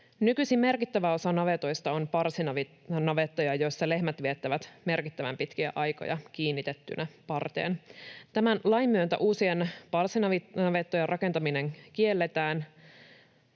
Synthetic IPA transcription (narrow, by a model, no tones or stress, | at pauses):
nykysime̞rkit̪ːæʋæo̞sɑnɑʋet̪ojst̪ɑonpɑrsinɑʋ | nɑʋet̪ːɑjɑjo̞jsːɑle̞hmæt̪ʋiet̪ːæʋæt̪me̞rkit̪ːæʋæ̰mpit̪kiæ̰ʔɑjko̰jɑkiːnːit̪et̪ːy̰nʔæpɑrt̪ḛːnt̪æmænlɑjmːyønt̪æ̰ʔuːsienpɑrsinɑʋinɑʋet̪ːojerʔɑke̞nt̪ɑmine̞ŋkie̞lːet̪æːn